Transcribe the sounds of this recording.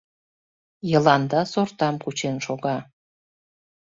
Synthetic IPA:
jəlɑnd̪ɑsort̪ɑmkut͡ɕenʃoɣɑ

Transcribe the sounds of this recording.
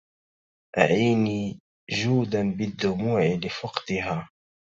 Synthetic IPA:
ʔa̰ʕiːniː | ʒuːd̪anbɪd̪ːʊmuːʕɪlɪfɑqt̪ɪɦaː

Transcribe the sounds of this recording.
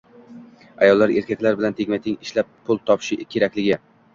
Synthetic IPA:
ajɒlˠːaɾe̞ɾkʲʰakʲlaɾbɪlant̪ʰeɡʲmat̪ʰɪŋɪʃlap̚ʰː | ʊlˠt̪ʰɒpʰɪ̥ʃɪkʲʰe̞ɾakʲlɪɡʲɪ

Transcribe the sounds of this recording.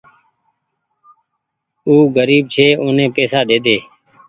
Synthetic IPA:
uːɡəɾiːb̚t͡ʃʰeːõːnẽːpeːsaːd̪eːd̪eː

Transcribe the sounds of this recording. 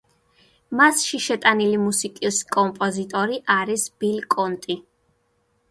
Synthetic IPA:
masʃiʃɛt̪ʼanilimusikʼiskʼɔmpʼɔzit̪ʼɔɾiʔaɾisb̥ilkʼɔnt̪ʼi

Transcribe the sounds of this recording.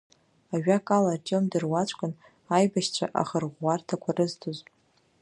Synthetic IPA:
aɥᶣakʼalartʼomdɨrwat͡ʃʷʼkʼʊn | ajbaʃt͡ɕʷʰa̰ʔa̰χərʁʷːartʰakʷʰarɨztʰoz

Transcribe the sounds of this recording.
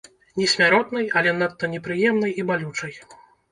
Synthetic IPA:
nʲɛsʲmʲaɾɔt̪nɐjɐlʲɛnat̪ːɐnʲɛpɾɨjɛmn̪ɐjibalʲut͡ʂɐj

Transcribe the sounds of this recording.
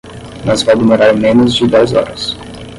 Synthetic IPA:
nɔzvawd̪emoɾaɾmẽnʊzd͡ʒɪd̪ɛjzɔ̰ɾɐs

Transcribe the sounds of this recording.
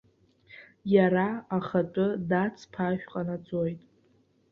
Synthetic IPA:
jaɾaaχat͡pʷʼʊdat͡sʰpʰaʃᶣqʼanat͡sʼojtʼ

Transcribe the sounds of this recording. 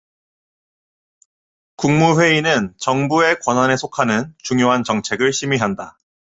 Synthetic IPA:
kuŋmuɸwe̞inɯnt͡ɕʌŋbue̞kwʌnwane̞sʰokʰanɯnt͡ɕuŋjoɦant͡ɕʌŋt͡ɕʰe̞ɡɯɭɕʰimiɦanda

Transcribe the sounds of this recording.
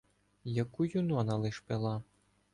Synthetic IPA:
jɐkujunɔnɐlˠɪʃpelˠɑ

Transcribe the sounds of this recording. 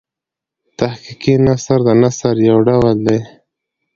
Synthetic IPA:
t̪ahkikinasəɾd̪ənasəɾjawɖawəld̪aj

